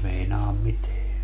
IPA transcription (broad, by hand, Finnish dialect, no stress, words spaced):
meinɑːm miteæ